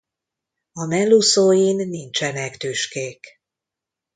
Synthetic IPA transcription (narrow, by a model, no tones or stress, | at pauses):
ɒmɛlːusoːjinːint͡ʃɛnɛkt̪yʃkeːk